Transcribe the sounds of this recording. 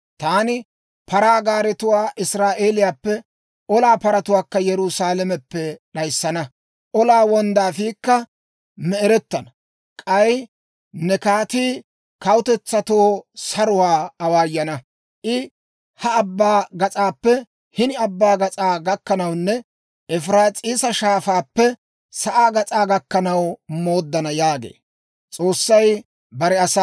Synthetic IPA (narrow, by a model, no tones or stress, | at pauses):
t̪aːnɪ | pɐɾaːɡaːɾɛt̪ʊwaːʔɪsɾaːʔe̞ːlɪjaːpːɛ | ʔɔlaːpɐɾɐt̪ʊwaːkːɐjɛɾusaːlɛmɛpːɛɗɐjsːɐnɐ | ʔɔlaːwɔnd̪aːfiːkːɐ | mɛɾɛt̪ːɐnɐ | kʼɐj | nɛkaːt̪iː | kɐwʊt̪ɛt͡sːɐt̪oːsɐɾʊwaːɐwaːjːɐnɐ | ʔɪ | hɐɐbːaːɡɐt͡sʼaːpːɛ | hɪnɪɐbːaːɡɐt͡sʼaːɡɐkːɐnɐwnːɛ | ʔɛfɪɾaːt͡sʼiːsɐʃaːfaːpːɛ | sɐʔaːɡɐt͡sʼaːɡɐkːɐnɐwmo̞ːd̪ːɐnɐjaːɡḛː | t͡sʼo̞ːsːɐj | bɐɾɛɐsa